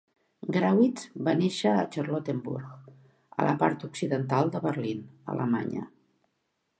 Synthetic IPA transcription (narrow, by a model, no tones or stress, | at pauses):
ɡɾawiz̥βaneʃəːt͡ʃərlot̪embṵɾɣ | ə̰lʔəpaɾt̪uksiðənt̪alˠd̪əβərlinə̰lʔəma̰ɲə̰